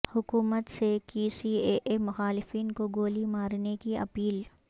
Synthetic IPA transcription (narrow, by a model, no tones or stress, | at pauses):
hʊkuːmət̪sekiːsieːʔemʊxaːlɪfiːnkoɡoːlimaːɾnekiɐ̰piːl